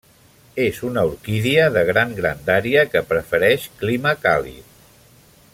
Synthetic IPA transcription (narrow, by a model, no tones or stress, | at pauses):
ezunəuɾkiðiəðəɣ̞ɾaŋɡɾa̰nd̪aɾiəkəpɾəfəɾɛʃkliməka̰lḭ